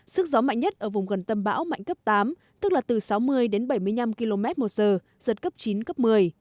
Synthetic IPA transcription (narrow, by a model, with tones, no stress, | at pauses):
sɨ˦˥k̚zɔ˨˦ma̰˧˨jŋ̟ɲə˦˥t̚ʔəː˧˩vʊ˨˩ŋ͡mɣə˨˩nt̪ə˧mɓa̰ː˧˥wma̰˧˨jŋ̟kə˦˥p̚t̪aː˨˦m | t̪ɨ˦˥k̚laː˨˩t̪ɨ˨˩sa˨˦wmɨ˧əjɗe˨˦nɓa˧˩jmɨ˧əjɲa˧mki˧lo˧mɛ˦˥t̚mo˨˩t̚zəː˨˩ | zə˨˩t̚kə˦˥p̚t͡ɕi˨˦nkə˦˥p̚mɨ˨˩əj